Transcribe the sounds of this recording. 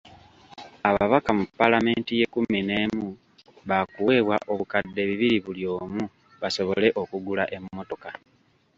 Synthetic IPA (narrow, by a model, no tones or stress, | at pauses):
aβaβakamupːalame̞ːntije̞kumineːmu | βakuwe̞βwaʔo̞βukadːe̞βiβiɾiβuljo̞ːmu | βaso̞βo̞le̞ʔo̞kuɡulaʔe̞mːo̞to̞ka